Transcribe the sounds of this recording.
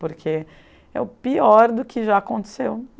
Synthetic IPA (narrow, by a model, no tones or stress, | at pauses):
poɾkʰe | ɛ̰ʊpiɔɾd̪ʊkɪʒaakõt̪e̥sew